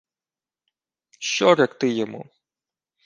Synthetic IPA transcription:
ʃt͡ʃɔɾʲɐkt̪ɪjɔmṵ

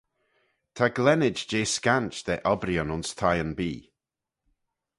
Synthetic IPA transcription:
t̪ʰaɡlɛnɪd͡ʒd͡ʒeːskant͡ʃd̪̥ɛʔɔbɾiɔnʊnst̪ʰajənbiː

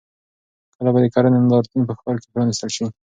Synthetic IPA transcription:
kəlabad̪əkaɾanɪnd̪ɑɾt̪unp̬əxpəloke̥pɾɑnist̪əlʃi

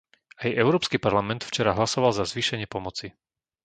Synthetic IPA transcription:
ajɛʊɾɔːpskipaɾlamɛnt̪ft͡ʃɛɾaɦlasɔʋalzazʋiːʃɛɲɪɛpɔmɔt͡si

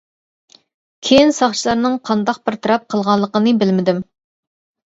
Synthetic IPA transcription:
kʲʰejinsɑχt͡ʃʰilˠɑɾnɨŋqʰɑnd̪ɑq̚bɪɾt̪ʰɨɾɑp̚qʰəlˠʁɑnlˠəqənɨbɪlmɪd̪ɪm

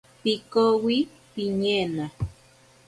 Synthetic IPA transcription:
pikowi | piɲena

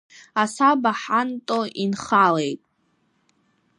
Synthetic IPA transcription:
asabaħantʼoʔinχalejtʼ

